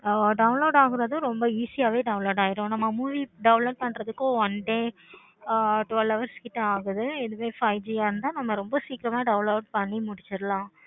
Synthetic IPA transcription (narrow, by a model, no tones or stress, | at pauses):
ɖɐʋʊnloːɖaːɣɪɾɐðʊ̃ɾɔmbɐiːsɪjaːʋeːɖɐʊnloːɽaːjɪɾõːnɐmːɐmuːʋiɖɐʊlɐɖ̚pɐɳɾɐðɯkːõʋɐnɖeː | ʈʊʋɐlɐʋɐɾskɪʈːɐ̃aːɣɯðɯɛðɯʋeːfɐɪd͡ʒiaːɾɯnd̪ãːnɐmːɐɾɔmbɐsiːkɪɾɐmaːɖɐʊnloːɖpɐɳːimʊɽɪt͡ʃːɪɾlãː